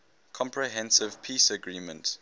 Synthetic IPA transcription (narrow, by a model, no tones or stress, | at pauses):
kʰɔ̃mpʰɹiɦɛ̃nsɪv̥pʰiːsəɡɹiːmə̃nt